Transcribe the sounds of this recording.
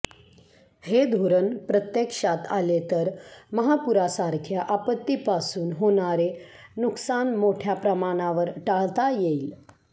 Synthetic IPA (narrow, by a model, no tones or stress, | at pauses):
hed̪ʱoɾənpɾət̪jəkʂat̪alet̪əɾməɦapuɾasaɾkʰjaʔapət̪ːipasuːnɦoɽ̃aɾenuksanmoʈʰjapɾəmaɽ̃aʋəɾʈaɭt̪ajeil